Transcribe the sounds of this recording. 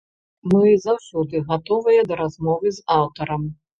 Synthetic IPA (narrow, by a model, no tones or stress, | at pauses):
mɨzɐwsʲɔd̪ɨɣat̪ɔvɐjɛd̪ɐɾazmɔvɨzawt̪ɐɾɐm